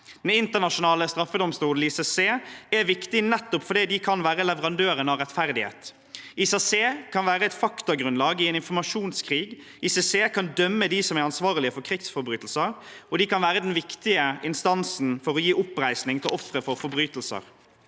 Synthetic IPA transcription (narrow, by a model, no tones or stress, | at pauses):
d̪̥ɛnɪnt̪əʁnɑʃʊnɑːləst̪ɾɑfːəd̪ɔmst̪uːd̪l̩iːsɛseːæɾʋɪkt̪ɪnɛt̪ːʊpfɔɾd̪iːd̪ɪkʰɑnʋæːɾəlɛʋəɾɑnd̪øːɾənɑɾɛt̪fæɾd̪ɪhḛːt̪ | isɑseːkʰɑnʋæːɾəɛt̪fɑkt̪ʊɡɾʉnlɑːɡɪɛnɪnfɔmɑʂuːnskʰʁiːɡ | iːsɛseːkʰɑnd̪œmːəd̪isɔmæɾɑnsʋɑːʁlɪəfɔɾkʰɾɪksfɔɾbɾyːt̪l̩səɾɔd̪ɪkɑnʋæːɾəd̪ɛnʋɪkt̪ɪəʔɪnst̪ɑnsn̩fɔɾɔjiːʔʊpɾæɪsnɪŋt̪ʰɪlɔfɾəfɔɾfɔɾbɾyːt̪l̩sə̰ɾ